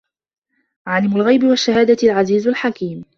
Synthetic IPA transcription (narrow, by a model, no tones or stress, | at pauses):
ʕaːlɪmʊlɣajbɪwaʃːahaːd̪alʕaziːzʊlħakiːm